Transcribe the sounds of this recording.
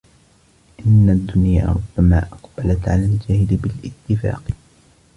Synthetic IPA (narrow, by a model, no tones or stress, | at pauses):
ʔɪnːad̪ːʊnjaːʔɾˤʊb̥ːamaːʔɑqb̥alat̪ʕalaːld͡ʒaːhɪdbɪlʔɪt̪ːɪfa̰ːq